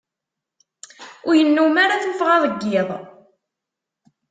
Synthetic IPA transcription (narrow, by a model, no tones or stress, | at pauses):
ʊɾjənːumaɾaθnəfʁɑðˤəɡːɪðˤ